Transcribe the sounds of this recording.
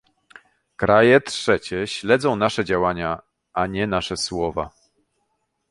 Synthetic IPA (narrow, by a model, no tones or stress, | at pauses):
kɾʔajɛtʂɛt͡ɕɛɕlɛd̪zɔ̃w̃naʂɛd͡ʑawaɲa | aɲɛnaʂɛswɔva̰